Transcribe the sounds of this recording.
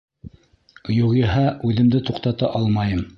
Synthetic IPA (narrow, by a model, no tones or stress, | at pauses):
juʁiɦɑʔʉðɘ̆md̪ɘt̪uqt̪ɑt̪ɑʔɑlˠmɑjɤm